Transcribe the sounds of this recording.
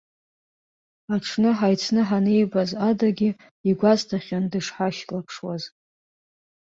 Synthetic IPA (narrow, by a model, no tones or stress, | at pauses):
aʈ͡ʂʰnɨħajt͡sʰnɨħanejbazadaɡʲɪ | iɡʷaztʰaχʲandɨʂħaʃlapʰʂwaz